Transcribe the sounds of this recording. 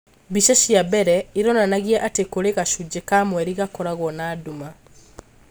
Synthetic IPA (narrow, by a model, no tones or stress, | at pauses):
biʃaʃjabɛɾɛiɾɔnanaɣiɛʔatekoɾeɣaʃud͡ʑekamwɛɾiɣakɔɾaɣɔnaːduma